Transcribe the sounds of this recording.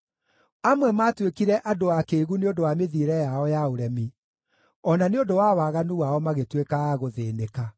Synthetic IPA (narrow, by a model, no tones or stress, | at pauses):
amwɛmaːtwekiɾɛʔadoakeɣuneondowameðiɾɛjaɔjaoɾɛmi | ɔnaneondowawaɣanuwaɔmaɣetwekaɣoðeːneka